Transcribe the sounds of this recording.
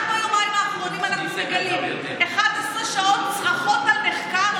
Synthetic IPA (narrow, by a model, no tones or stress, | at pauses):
aχnuajomaimaːχʁonimanaχnusaɡilim | eχad̪asʁeʃaot̪sχaχot̪almeχkaʁ